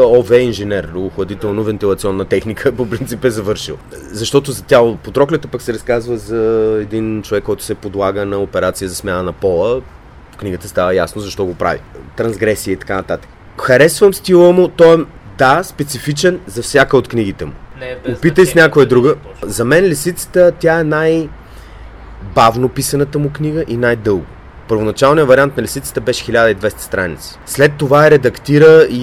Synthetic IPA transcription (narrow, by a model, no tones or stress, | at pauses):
ɔvɛinʒɛnɛɾoxɐd̪it̪ɛlˠnovɛnt̪ilˠɐt̪siɔnːət̪ɛxnikʰəpopɾint̪sipɛzɐvɤɾʃḭlˠ | zɐʃt̪ɔt̪ʊzɐt̪ʲapot̪ɾɔklʲɛt̪əpəksɛɾɐskazvəzɐɛd̪int͡ʃovɛkːɔjt̪ʊ̥sɛpod̪lˠaɡənɐopɛɾat̪sijəzɐsmʲjanənɐpɔlˠə | fkniɡət̪əst̪avəjasnozɐʃt̪ɔɡopɾa̰vḭt̪ɾɐnzɡɾɛsiəit̪ɐ̥kanɐt̪at̪ə̥k | xɐɾɛsvəmst̪ilˠəmʊt̪ɔɛd̪aspɛt̪sifit͡ʃɛnzɐfsʲjakəot̪kniɡ̟it̪ɛmʊopit̪əjsnʲakojɛd̪ɾuɡəzɐmɛnlʲɛsit̪sə̥t̪ət̪ʲjaɛnaj | bavnopisɐnət̪əmʊkniɡəʔinajd̪ɤlˠɡʊ | pəɾvonɐt͡ʃalˠnijəvɐɾiant̪nɐlʲɛsit̪sə̥t̪əbɛʃɛ̥xilʲad̪əid̪vɛst̪ə̥st̪ɾanḭt̪si̥slɛt̪ːovaɛɾɛd̪ɐkt̪iɾəi